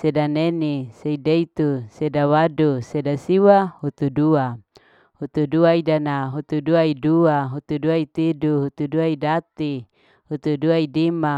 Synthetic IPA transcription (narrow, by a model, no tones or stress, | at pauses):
sedaneniseideit̪usedawadusedasiwahut̪udua | hut̪uduaidanaɦut̪uduaiduaɦut̪uduait̪iduɦut̪uduaidat̪i | hut̪uduaidima